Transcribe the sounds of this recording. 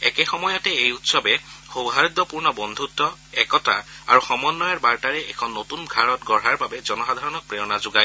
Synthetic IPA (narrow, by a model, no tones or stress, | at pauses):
ɛ̰kɛxɔmɔjɔtɛejutsɔbɛxowɦaɹid̪ɔpuɹnɔbɔnd̪ʱutːɔɛkɔta̰a̰ɹuxɔmɔnːɔjaɹbaɹtaɹɛʔɛkʰɔnːotunɡʱaɹɔtɡɔɹɦaɹbabɛzɔnɔxad̪ʱaɹɔnɔk̚pɹejɔnazʊɡaj